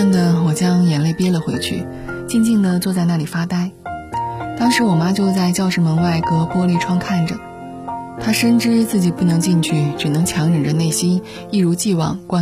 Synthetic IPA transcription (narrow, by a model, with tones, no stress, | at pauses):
nd̪ə˩wɔ˨˩t͡ɕjɑ˥ŋjɛ˧˨˩nle˥˩ɪpjɛ˥lə˨xwe˧˥ɪt͡ɕʰy̰˥˩ | t͡ɕi˥˧nt͡ɕi˥˩ŋd̪ə˨t͡swɔ˥˧t͡sa˥˧ɪna˥˩li˨˩fa˥t̪a˥ɪ | t̪ɑ˥ŋʂɻ̩˧˥wɔ˨˩ma˥t͡ɕjo˥˧ʊt͡sa˥˧ɪt͡ɕjɑ˥˧ʊʂɻ̩˥˩mə˧nwa˥˩ɪkɤ˥pwɔ˥li˥˩ʈ͡ʂʰwɑ˥ŋkʰa˥˩nʈ͡ʂə˩ | t̪ʰa˥ʂə˥nʈ͡ʂɻ̩˥t͡sɹ̩˥˩t͡ɕi˨˩pu˥˩nɤ˧˥ŋt͡ɕi˥˧ŋt͡ɕʰy˥˩ʈ͡ʂɻ̩˨˩nɤ˧˥ŋt͡ɕʰjɑ˧˥ŋʈ͡ʂɤ˨˩ŋʈ͡ʂə˩˦ne˥˩ɪɕi˥n | i˥˩ɻu˧˥t͡ɕi˥˧wɑ̰˥˩ŋkwa˥